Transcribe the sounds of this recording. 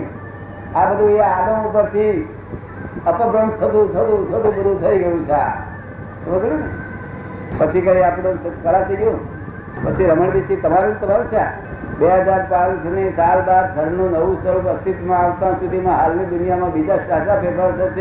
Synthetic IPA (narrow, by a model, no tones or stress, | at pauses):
abəd̪ʱũeaɡõupəɾt̪ʰi | əpəbɾə̃nt̪ʰət̪̬ũt̪ʰət̪ũt̪ʰət̪ũbəd̪ʱũt̪ʰəiɡəjũt͡ʃʰa̰ | t̪obəd̪ʱu | pət͡ʃʰikəɾiapd̪əkəɭat̪ʰəiɡjũ | pət͡ʃʰiɾəməɳbisit̪əmaɾũt̪əmaɾt͡ʃʰe | beɦəd͡ʒaɾt͡ʃaʋĩsnisalbad̪̚sʰəɾnũnəʋũsəɾuət̪it̪mãːʋt̪ãsud̪ʱimãɦalnid̪unijamãbid͡ʒaasapʰepaɾsʰət͡ʃe